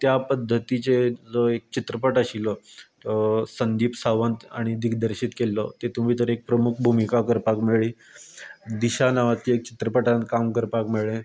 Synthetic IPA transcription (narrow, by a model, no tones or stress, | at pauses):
t̪japəd̪ʱːət̪it͡ɕed͡zoek̚t͡ɕit̪ɾəpəʈəɕilɔt̪əsənd̪iːpsaʋə̃nt̪a̰ɽ̃id̪iɡd̪əɾɕit̪kelːɔt̪et̪um̤iːt̪əɾek̚pɾəmukʰbʱumikakəɾpakmeɭiː | d̪iɕanaʋat̪ːiek̚t͡ɕi̥t̪ɾəpəʈankamkəɾpakmeɭẽ